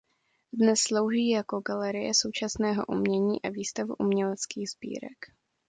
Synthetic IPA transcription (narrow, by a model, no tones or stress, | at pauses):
dnɛsːlo̞wʒiːjako̞ɡalɛɾɪjɛso̞wt͡ʃasnɛːɦo̞ʔumɲɛɲiːʔaviːst̪avṵʔumɲɛlɛt͡skiːɣz̥bḭːɾɛ̰k